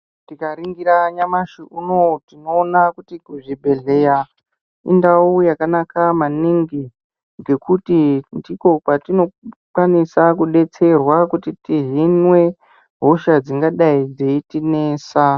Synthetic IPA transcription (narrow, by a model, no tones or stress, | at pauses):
tikaɾiŋɡiɾaɲamaʃiʔuno̞tinoːnakutikuʐibʱe̞ɮeja | ḭndaujakanakamaniŋɡi | ŋɡe̞kutindiko̞patino̞kwanisakuɗe̞t͡se̞rwakutitiɦinwe̞ | ɦo̞ʃad͡ziŋɡaɗaid͡zeitineːsa